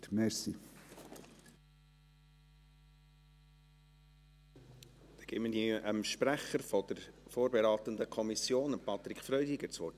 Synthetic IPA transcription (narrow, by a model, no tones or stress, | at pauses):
mɛɾsi | d̪̥ɛɡ̥ɪːmədiʔəmʃpɾæχəɾfɔd̥̪əɾfoːɾbɛɾɑːt̪ənd̪əkʰɔmisjoːnəpɑt̪ɾikχfɾœʏd̪iɡət͡sʋɔː